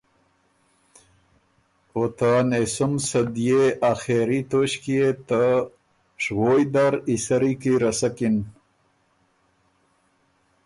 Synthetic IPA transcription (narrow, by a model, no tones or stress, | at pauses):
ot̪anesumsɐd̪jeaxeɾit̪oɕkiet̪a | ʂwojd̪aɾisɐɾikiɾɐsakin